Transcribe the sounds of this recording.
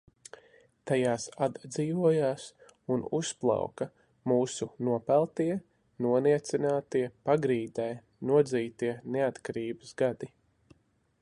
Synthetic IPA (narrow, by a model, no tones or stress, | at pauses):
t̪ajaːsad̪d̪ziːvuɔjaːs | unusplˠa̰wkɐ | muːsunuɔpælˠt̪iɛ | nuɔniɛt̪sinaːt̪iɛpaɡɾiːd̪ɛj | nuɔd̪ziːt̪iɛneat̪kaɾiːbəsɡad̪i